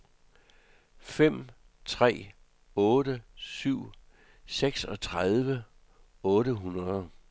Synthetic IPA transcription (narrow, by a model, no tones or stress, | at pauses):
fem̰ | t͡sʰʁɛ̰ː | ɔ̽ːdəsyʊ̰ | seɡ̥sɒ̽t͡sʰʁaðˠʋə | ɔ̽ːɾəɦunɐðˠ